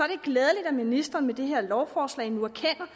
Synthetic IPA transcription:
ɒ̽d̥e̝ɡ̥lɛːð̞ˠəlid̥æminisd̥ʁɐːnmed̥e̝ɦe̝ɐ̰lɒʊfɒːslɛ̰ɪnuæɐkʰen̰ɐ

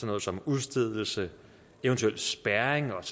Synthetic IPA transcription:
ɒnɔːð̩ˠsɒ̽muðˠsd̥eð̰ˠl̩sə | eʊənt͡sʰuel̰d̥sb̥æɐeŋɒ̽

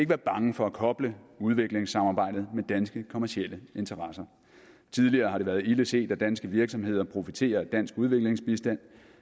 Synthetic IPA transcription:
e̝ɡ̥ʋæːɐb̥ɑ̈ŋəfɒ̽ækʰɒ̽b̥ləuð̞ˠʋe̝ɡ̥le̝ŋsɑ̈mɑ̈ːb̥ɑ̈ɪ̰d̥ð̞̩ˠmed̥ænsɡ̥əkʰo̝mæɐsiel̰əe̝nt͡sʰɐʁɑ̈sɐ | t͡sʰið̞ˠliɐːɦɑ̈ɾ̥eʋæːɐðˠiləse̝̰ːd̥æd̥ænsɡ̥əʋiɐɡ̥sɒ̽me̝ð̞̰ˠɐpʰʁo̝fit͡sʰe̝̰ːɐd̥æn̰sɡ̥uð̞ˠʋe̝ɡ̥le̝ŋsb̥isd̥æn̰

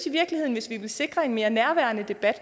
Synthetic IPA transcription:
siʋiɐɡ̥lihe̝ð̰ˠn̩ʋe̝sʋiʋe̝lse̝ɡ̥ʁɐe̝nme̝ːɐnæɐʋæɐnəd̥e̝b̥æd̥

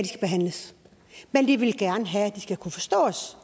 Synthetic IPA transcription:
d̥isɡ̥æb̥e̝ɦæn̰ləs | mend̥iʋe̝lɡ̥æɐnəɦææd̥isɡ̥ækʰufɒ̽sd̥ɔ̰̽ːs

